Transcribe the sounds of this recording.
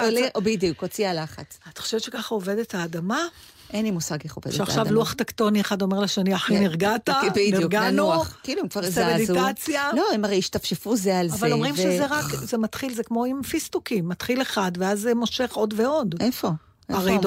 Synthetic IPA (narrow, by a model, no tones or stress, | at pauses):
lbid̪jukot͡sialaχa̰t͡sani̥χo̥ʃevett͡ʃʃekaχaove̞d̪ethaːdama | ʔenimusaɡeχo̰vedʃaχʃavluaχtakto̞nieχado̞me̞ʁlaʃaniaħiniʁɡatabiniɡanukiluemkvaʁsameditat͡sjaloemaʁejiʃt̪afʃefuzealavallomʁimʃezeʁakzemat̪χilzekmo̞imfist̪ukimːatχileχadveazemo̞ʃe̞χo̞dveo̞defo | aʁed